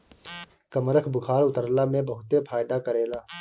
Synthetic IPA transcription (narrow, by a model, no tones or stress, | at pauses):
kəmɾəkʰbʊkʰaːɾʊt̪əɾlamẽbɐɦʊt̪efʰaːjd̪akəɾeːlaː